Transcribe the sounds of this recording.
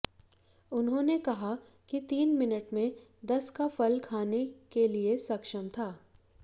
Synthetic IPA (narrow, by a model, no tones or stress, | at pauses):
ʊnɦõːnekɐɦa | kit̪iːnmɪnəʈmẽ | d̪ɐskafɐlkʰaːnekeliesɐkʃəmt̪ʰaː